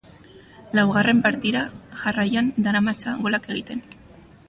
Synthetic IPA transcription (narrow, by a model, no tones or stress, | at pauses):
lawɣ̞are̞mpaɾt̪iɾaʝarajand̪aɾamat͡saɣo̞lake̞ɣ̞it̪e̞n